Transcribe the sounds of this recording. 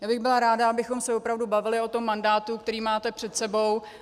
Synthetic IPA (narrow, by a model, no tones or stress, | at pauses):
jaːbɪɣbɪlaɾaːdaabɪxo̞msɛvopɾavdubavɪlɪo̞t̪o̞mːandaːt̪uk̚t̪ɛɾiːmaːt̪ɛpr̝̥ɛt̪sɛbo̞w